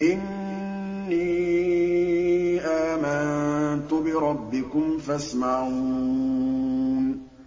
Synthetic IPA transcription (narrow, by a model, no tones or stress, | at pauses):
ʔɪnː | iː | ʔaːmant̪ʊbɪɾˤɑbːɪkʊmfasmaʕuː | n